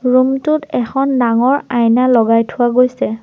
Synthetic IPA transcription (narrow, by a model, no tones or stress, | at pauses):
ɹumtʊtɛxʰɔndaŋɔɹajnalɔɡajtʰʊwaɡojsɛ